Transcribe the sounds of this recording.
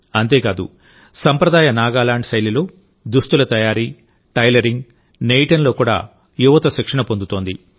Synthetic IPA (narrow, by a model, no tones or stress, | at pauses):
ɐnt̪e̞ːkaːd̪ṵ | sɐmpɾɐd̪aːjɐnaːɡaːlaːɳɖsɐjlilo̞ː | d̪ust̪ulɐt̪ɐjaːɾi | ʈɐjlɐɾiŋɡ | nejʈɐnlo̞ːkuːɽa̰ː | juʋɐt̪ɐʃikʂɐɳɐpo̞nd̪ut̪o̞ːnd̪i